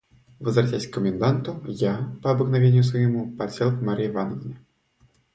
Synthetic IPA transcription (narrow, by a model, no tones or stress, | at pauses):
vəzvɾɐtʲæsʲkːəmʲɪnd̪ant̪ʊjapəɐbəknɐvʲenʲɪjʊsvəjɪmupɐsʲelˠkmaɾʲevanəvʲɪnʲɪ